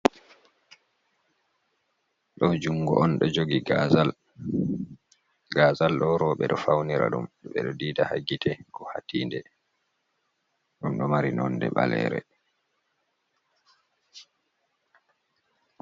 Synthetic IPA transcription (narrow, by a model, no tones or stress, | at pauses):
ɗɔd͡ʒuŋɡɔʔɔnɗɔd͡ʒoɡiɡazal | ɡazalɗɔɾɔːɓɛɗɔfawniɾa̰ɗumɗɓɛɗɔdiːdahaɡitʰɛkɔhatiːndɛ | ɗumɗɔmaɾinɔnːdɛɓalɛ̰ːɾɛ̰